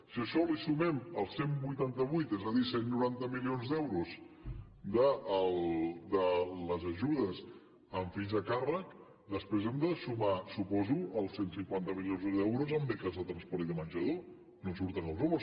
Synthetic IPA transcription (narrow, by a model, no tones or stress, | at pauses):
siəʃɔlisumɛməlˠsembujt̪ant̪əβujt̪ɛzəðisennuɾant̪əmilionzd̪ɛwɾuz | d̪əəld̪ələzəʒuðəz | əɱfinzəkarək | d̪əspɾezɛmd̪əsumasupɔzuəlˠsensiŋkwant̪əmilionzðɛwɾuzəmbɛkəzðət̪ɾənspɔɾt̪iðəmənʲʒəðo | nosuɾt̪ənəlˠzumo